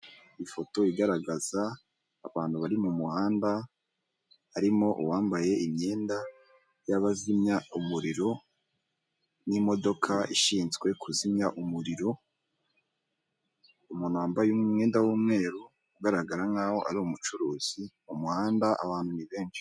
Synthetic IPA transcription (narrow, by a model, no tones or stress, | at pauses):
ifo̞to̞iɡaɾaɡaz̥aː | βaːn̥huβaɾimumuhaːnda | aɾimo̞ʔṵwaːmbaje̞ʔimɲe̞ːnda | jaβazimɲaumuɾiɾo̞ | nimo̞do̞kʰaiʃiːnzɡwe̞kʰuzimɲaʔumuɾiɾo̞ | umunaːmbajumŋe̞ːndawuːmŋe̞ːɾu | uɡaɾaɡaɾaŋaːho̞ʔa̰ɾiomut͡ʃuɾuːz̥i | umuhaːndaʔa̰βaːnhuniβe̞ːnʃi̥